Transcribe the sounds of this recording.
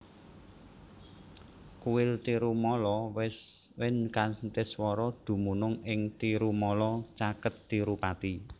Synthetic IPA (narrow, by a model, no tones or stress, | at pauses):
kuwɪlt̪iɾumɔlɔ | wɪnkant̪ɪswɔɾɔd̪̥ṳmunʊŋɪŋt̪iɾumɔlɔt͡ʃakət̪ːiɾupat̪i